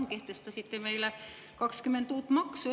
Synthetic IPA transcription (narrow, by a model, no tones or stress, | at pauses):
ŋkeht̪est̪ɑsit̪ːemeilæ | kɑkskymːent̪uːt̪mɑksu